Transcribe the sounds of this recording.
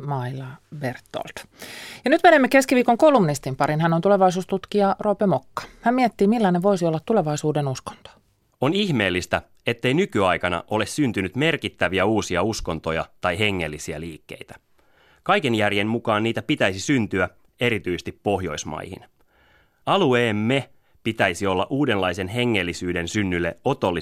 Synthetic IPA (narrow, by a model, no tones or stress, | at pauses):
mɑilɑbert̪ːo̰lt̪ | jɑnyt̪menemːeke̞skiʋiːkoŋkoulumnist̪impɑɾinhænont̪uleʋɑjs̬uːst̪ut̪kiɑroːpemokːɑ̥hæmmiɛt̪ːiːmilːɑneʋo̞isiolːɑt̪t̪uleʋɑisuːdenusko̥nt̪o̥ | oniçme̞ːlːist̪æ | e̞t̪ːe̞inykyɑjkɑnɑ̰ʔo̞le̞ssynt̪ynyt̪me̞rkit̪ːæʋiæuːsiɑusko̞nt̪ojɑ̰t̪ɑjɦe̞ŋːe̞lːisiæ̰liːkːe̞̰jt̪æ̥ | kɑjkenjærjenmukɑːnniːt̪æpit̪æjsisynt̪yæ | e̞ɾit̪yjsest̪ipːo̞ɦjo̞̰ismɑ̰jhḭn | ɑlueːmːe | pit̪æjsio̞lːɑ̰ʔuːde̞nlɑjse̞nɦe̞ŋːelːisyːde̞nsynːylːḛo̞t̪o̞lːi